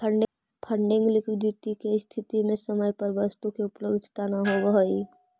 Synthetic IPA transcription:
pʰəɳɖɪ | pʰəɳɖɪ̃ŋɡlɪkwɪɖɪʈikest̪ʰɪt̪imẽsəməjpɐɾʋəst̪ukeʊpləbd̪ʱt̪anɐɦoəɦəi

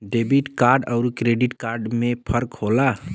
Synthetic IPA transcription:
ɖebiʈkaɾɖəʊɾkɾeɖiʈkaɾɖmẽpʰəɾkhola

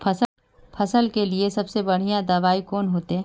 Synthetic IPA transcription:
pʰɐs | pʰɐsəlkeliesɐbsebɐɽ̤ijãd̪aːʋaːikɔːnɦoːt̪eɦɛ̃ː

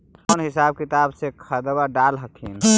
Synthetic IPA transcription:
ənɦisab̚kit̪absekʰəd̪baɖalɦəkʰin

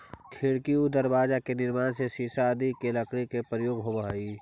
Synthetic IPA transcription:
kʰeɽkiud̪əɾbaːd͡ʒakenɪɾmaːnsesiːsad̪ikeləkɽikepɾəjoːɡɦobaɦiː

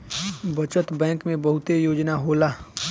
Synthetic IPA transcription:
bət͡ʃət̪bɛ̃ːŋkmẽbəɦʊt̪ejoːd͡ʒnaɦoːlaː

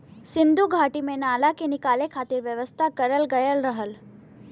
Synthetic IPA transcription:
sɪ̃nd̪ʱuɡʱaːʈimẽnaːlakenɪkaːlekʰaːt̪ɪɾʋjəʋəst̪ʰakɐɾəlɡəjəlɾəɦəl

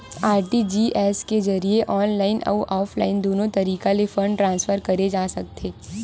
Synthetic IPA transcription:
aːɾʈid͡ʒiːʔɛːskezɐɾieʔɔːnlaːɪnʔɔ̰ːʔɔːfʰlaːɪnd̪oːnõt̪ɐɾiːkalefɐ̃ɳɖʈɾãːnsfəɾkɐɾed͡ʒaːsɐk̚t̪ʰeː

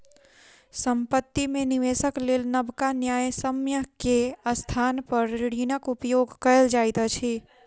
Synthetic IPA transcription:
sə̃mpət̪ːimẽnɪʋeːsəkleːlnəbkanjaːjsəmjəkeəst̪ʰaːnpəɾɾɪɽiːnəkʊpjoːɡkəld͡ʒaːjt̪at͡ʃʰiː

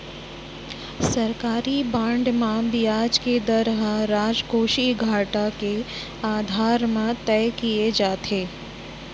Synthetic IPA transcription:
sɐɾkaːɾibãːɳɖmãbijaːd͡ʒked̪əɾɦɾaːd͡ʒɡʱoːʃiɡʱaːʈake | aːd̪ʱaːɾmãt̪ɛjkijed͡ʒaːt̪ʰeː

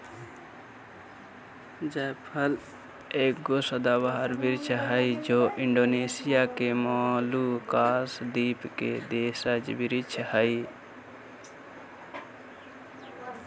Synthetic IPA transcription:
d͡ʒapʰəl | eːk̚ɡosəd̪abaɦəɾbɪɾt͡ʃʰɦəid͡ʒoːʔɪɳɖoːneːsɪjakemɔːlukaːsd̪iːpked̪eːsəd͡ʒbɪɾɪt͡ʃʰhəi

